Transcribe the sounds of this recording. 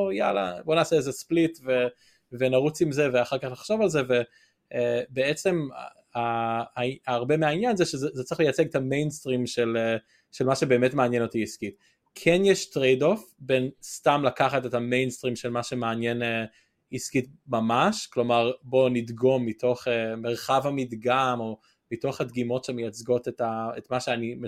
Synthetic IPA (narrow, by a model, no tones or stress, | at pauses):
oja̰la̰bo̞naːseezesplitve | venaʁut͡simze̞veaχaʁkaχnaχʃo̞valze̞ve̞ | beet͡se̞m̰ | aaaːʁbe̞meainjanzeʃezezet͡sʁiχlejat͡seɡet̪ame̞jnstʁimʃele | ʃelmaʃebeːmetmeanjeno̞tiiskit | kʰenjɛʃtʁejdo̞fbenstamlakaχatetamejnstʁimʃelmaʃemeːnjene | iskitmamaʃklo̞maʁbo̞nidɡo̞mːitʰo̞χemeʁχavhamidɡamo̞ | mito̞χhadɡimo̞tʃemejat͡sɡo̞tetaetmaʃeanim